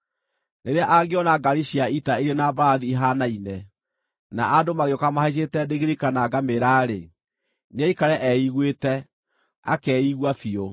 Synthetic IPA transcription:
neɾeaʔaɡeɔnaɡaɾiɕiaitaiɾenabaaðiːɦanainɛ | na̰ʔadomaɣeɔkamahaiʃ̬etɛdeɣeɾikanaɡameɾaːɾe | naikaɾɛʔɛiɣwetɛ | a̰kɛiɣwafio

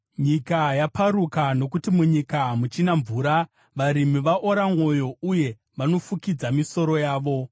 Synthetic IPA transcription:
ɲikajapʰaɾukano̞kutimuɲikamut͡ʃinaɱvuːɾa | ʋaɾimiʋaʔo̞ɾamo̞jo̞uje̞ | ʋano̞fukid͡zamiso̞ɾo̞jaːʋo̞

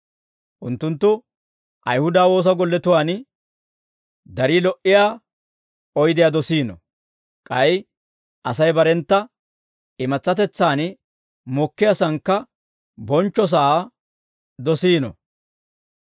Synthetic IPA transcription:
ʔʊnt̪ːʊnt̪ːʊ | ʔɐ̰jhʊd̪aːwo̞ːs̬ɐɡɔlːɛt̪ʊwaːn | d̪ɐɾiːlɔʔɪjaː | ɔjd̪ɪjaːd̪ɔsiːnɔ̰ | kʼɐj | ʔɐsɐjbɐɾɛnt̪ːɐ | ɪmɐt͡sːɐt̪ɛt͡sːaːn | mɔkːɪjasɐŋkːɐ | bɔnt͡ʃːɔs̬aː | d̪ɔsiːnɔ̰

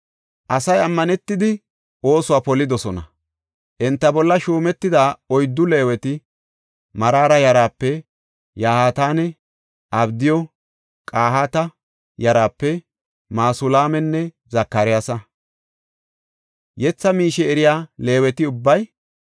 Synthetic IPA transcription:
ʔɐsɐjɐmːɐnɛt̪ːɪd̪ɪ | ʔo̞ːsʊwaːpɔlːɪd̪ɔsɔnɐ̰ | ʔɛnt̪ːɐbɔlːɐʃuːmɛt̪ːɪd̪aːɔjd̪ːʊle̞ːwɛt̪ɪ | mɐɾaːɾɐjɐɾaːpːɛ | jaːhaːt̪aːnɛ | ʔɐbd̪ɪjɔ | kʼaːhaːt̪ɐ | jɐɾaːpːɛ | maːsʊlaːmɛnːɛ | zɐkːɐɾɪjaːsɐ | jɛt͡sːɐmiːʃɛɛɾɪjaːle̞ːwɛt̪ɪʊbːɐj

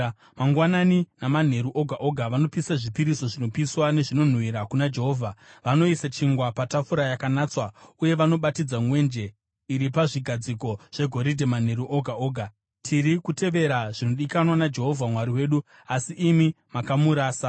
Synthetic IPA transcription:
maŋɡwananinaman̤e̞ɾuʔo̞ɡʱaʔo̞ɡʱaʋano̞pisaʐipiɾiso̞ʐino̞piswane̞ʐino̞n̤uwiɾakunad͡ʒe̞ɦo̞ːvʱaʋano̞isat͡ʃiŋɡwapatafuɾajakanaːt͡swauje̞ʋano̞ɓatid͡zaŋwe̞nd͡ʒe̞ | iɾipaʐiɡʱad͡ziko̞ʐ̥e̞ɡʱo̞ɾidʱeman̤e̞ɾuʔo̞ɡʱao̞ːɡʱa | tʰiɾikute̞ʋe̞ɾaʐino̞ɗikanwanad͡ʒe̞ɦo̞vʱamwaɾiwe̞ːɗu | asiʔːmi | makamuɾaːsa

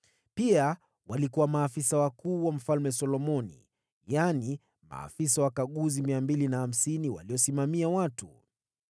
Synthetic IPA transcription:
pia | walikuwamaːfisawakuːwam̩falmɛsɔlɔmɔnḭ | jani | ma̰ːfis̬awakaɠuzimiambilinaham̩siniwa̰liɔsimamiawatu

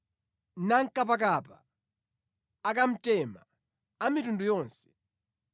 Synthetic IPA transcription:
naŋkap̬ak̬apa | akam̩tɛma | amitundujɔːnsɛ̥

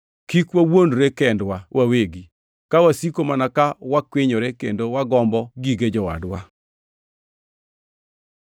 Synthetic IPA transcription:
kikwawondɾekɛndwawʔaweɡi | kawasikomanakawakwɪɲoɾekendowaɡɔmbɔɡiɡed͡ʒɔwa̰dwa

